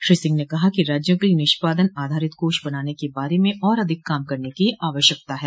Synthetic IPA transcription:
ʃɾiːsɪ̃ŋɡnekɐɦakiɾaːd͡ʒjõkinɪʃpaːd̪ənaːd̪ʱaːɾɪt̪koːʃbɐnaːnekebaːɾemẽʔɔːɾɐd̪ʱɪkːaːmkɐɾnekiaːʋəʃjək̚t̪aɦɛː

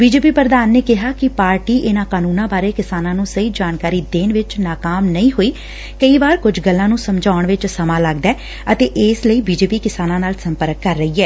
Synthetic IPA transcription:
biːd͡ʒeːpiːpɾəd̪aːnːeːkɪɦaːkɪpaːɾʈiːʔɪnãːkaːnuːnãːbaːɾeːkɪsaːnãːnũːsəiːd͡ʒaːnkaːɾiːd̪eːnʋɪt͡ʃnaːkaːmnəĩːɦoːiː | kəiːʋaːɾkʊd͡ʒʱɡəlːãːnũːsəmd͡ʒʱaːʊəɳʋɪt͡ʃsəmãːləɡd̪ɛː | ət̪eːʔɪːsləiːbiːd͡ʒeːpiːkɪsaːnãːnaːlsəmpəɾəkːəɾːəiːɛː

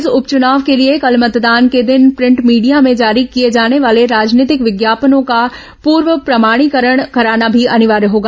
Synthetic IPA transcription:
zʊpt͡ʃʊnaːʋkeliekɐlmɐt̪d̪aːnked̪ɪnpɾɪ̃ɳʈmiːɖijamẽd͡ʒaːɾikijed͡ʒaːneʋaːleɾaːd͡ʒniːt̪ɪkʋɪɡjaːpənõka | puːɾʋəpɾɐmaːɽ̃ikəɾəɽ̃kɐɾaːnabʱiʔɐnɪʋaːɾɦoːɡa

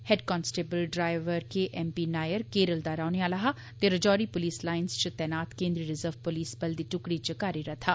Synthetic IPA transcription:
hɛɖkɔːnsʈeːbəlɖɾaːɪʋəɾkeʔɛːmpinaːjəɾkeːɾəld̪aːɾaːneaːlaɦa | t̪eɾəd͡ʒɔːɾipʊliːslaːɪnst͡ʃət̪ɛːnaːt̪kẽːnd̪ɾiɾɪzəɾʋpoliːsbəld̪iːʈʊkɽit͡ʃəkaːɾiɾɐt̪ʰaː

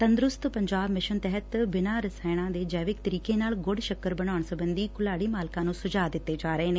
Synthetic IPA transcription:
t̪ə̃nd̪ɾʊst̪pəɲd͡ʒaːbmɪʃənt̪ɛɦət̪bɪnãːɾəsaːɽ̃ãːd̪eːd͡ʒɛːʋɪk̚t̪əɾiːkeːnaːlɡʊɽʃəkəɾbəɽaːʊɳsəbənd̪iːkʊlaːɽiːmaːlkãːnũːsʊd͡ʒaːd̪ɪt̪ːeːd͡ʒaːɾəɦeːneː

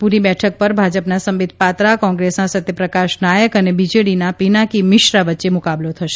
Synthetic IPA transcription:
puɾibɛʈʰək̚pəɾbʱad͡ʒəpnasəmʋɪd̪̚ʱpat̪ɾakɔ̃ŋɡɾesnãsət̪jəpɾəkaʃnajəkənebid͡ʒeɽinapinakimɪʃɾaʋətːʃemukablot̪ʰəʃe̥

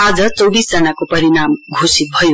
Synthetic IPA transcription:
ad͡zʌt͡sʌwbisd͡zʌnakopʌɾinamɡʱosit̪̚bʱʌjo

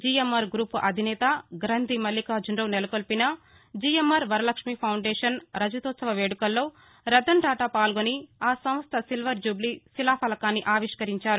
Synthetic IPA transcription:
d͡ʒiemɐɾɡɾuːpuʔɐd̪ʱinɛːt̪ɐɡɾɐnd̪ʱimɐlːikaːd͡ʒuɳɖɐwnɛlɐkolpinɐ | d͡ʒiːjemɐɾʋɐɾɐlɐkʂmipʰɐwɳɖeːʂɐnɾɐd͡ʒɐt̪oːt̪sɐʋɐʋeːɽukɐlːo̞ː | ɾɐd̪ɐɳʈaːʈapaːlɡoniaːsɐm̃st̪ʰɐsilʋɐɾd͡ʒublisilaːpʰɐlɐkaːnːiʔaːʋiʂkɐɾiɲt͡ʃaːɾu

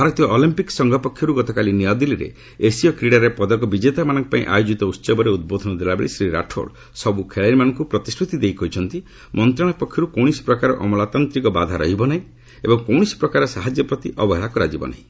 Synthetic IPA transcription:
bʱaɾɔt̪ijɔʔɔlimpiksɔŋɡʱɔpɔkʰjɔɾuɡɔt̪ɔkaliniɔd̪iliɾḛ | esiɔkɾiɽaɾepɔd̪ɔkɔbid͡ʒet̪amanɔ̃ŋkɔpaĩʔa̰jod͡ʒit̪ɔut̪ːsɔbɔɾeud̪̚bod̪ʱɔnɔd̪elabḛɭisɾiɾa̰ʈʰo̰ɽ | sɔbukʰeɭaɾimanɔŋkupɾɔt̪isʈʰɾut̪id̪ejkɔjt͡ʃʰɔnt̪i | mɔnt̪ɾaɽ̃apɔkʰːjɔɾukow̃isi̥pɾɔkaɾɔ̰ʔɔmɔlat̪ant̪ɾikɔbad̪ʱaɾɔ̰ɦibɔnaɦĩ | ebɔŋkowɽ̃isi̥pɾɔkaɾɔsaɦad͡ʒjɔpɾɔt̪iʔɔbɔɦeɭakɔɾad͡ʒibɔ̰na̰ĩ

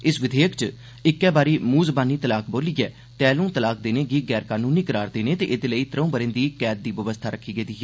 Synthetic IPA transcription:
ɪsʋɪd̪eːəkt͡ʃ | ɪkːɛːbaːɾiːmuːzbaːniːt̪əlaːk̚boːliːɛː | t̪ɛːlũːt̪əlaːk̚d̪eːneːɡiːɡɛːɾkaːnũːniːkəɾaːɾd̪eːneːt̪eːʔɪd̪eːləiːt̪əɾõːbəɾẽːnd̪iːkɛːt̪̚d̪iːʋəʋəst̪ʰaːɾəkʰːiːɡəːd̪iːɦɛː

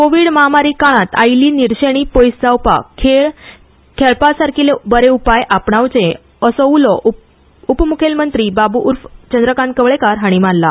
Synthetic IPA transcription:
koʋiːɽməɦamaɾiːkaɭ̃ãt̪a̰jliːniɾɕeɽ̃iːpojsd͡zawpa̰kʰeɭ | kʰeɭpasaɾkilebəɾeupajʔapɳawt͡sẽ | əsɔulɔʔ | upmukʰelmənt̪ɾiːbabuʔuɾft͡ɕənd̪ɾəkankəʋɭekaɾɦaɽ̃imanla

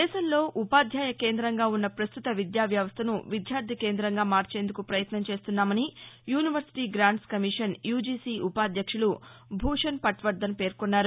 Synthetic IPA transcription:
d̪ɛːʃɐmlo̞ːʔupaːd̪ʱjaːjɐke̞ːnd̪ɾɐŋɡaːunːɐpɾɐst̪ut̪ɐʋid̪jaːʋjɐʋɐst̪ʰɐnuʋid̪jaːɾd̪ʱike̞ːnd̪ɾɐŋɡaːmaːɾt͡ʃe̞ːnd̪ukupɾɐjɐt̪nɐmt͡ʃe̞ːst̪unːaːmɐnijuːniʋɐɾsi̥ʈiːɡɾaːɳʈskɐmiʂɐnjuːd͡ʒiːsiːʔupaːd̪jɐkʂulubʱuːʂɐnpɐʈʋɐɾd̪ɐnpe̞ːɾkonːaːɾu

